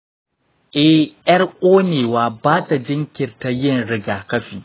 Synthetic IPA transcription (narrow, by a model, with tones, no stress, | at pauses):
ʔɛ˦jɐ˦rʔʷʼoː˦neː˨waː˨baː˦ta˨d͡ʒɪ˦ŋkʲɪ˨rta˨jɪ˦˨nɽɪ˦ɡaː˨kɐ˦ɸiː˨